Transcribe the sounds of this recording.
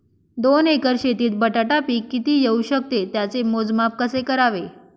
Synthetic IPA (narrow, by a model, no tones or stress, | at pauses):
d̪onekəɾɕet̪iːt̪̚bəʈaʈapiːkːit̪iːjeuɕək̚t̪et̪jat͡semod͡zmap̚kəsekəɾaʋe